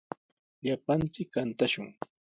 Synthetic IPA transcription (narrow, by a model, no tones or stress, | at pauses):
ʎapant͡sɪkːant̪aʃʊŋ